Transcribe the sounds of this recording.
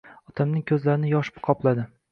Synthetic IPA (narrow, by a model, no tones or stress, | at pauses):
ɒt̪ʰamnɪŋkʲʰɵzlaɾɪnɪjɒʃpqʰɒplˠad̪ɪ